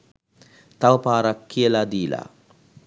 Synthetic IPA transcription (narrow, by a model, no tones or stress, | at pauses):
t̪aʋəpaːɾakːijəlad̪iːla̰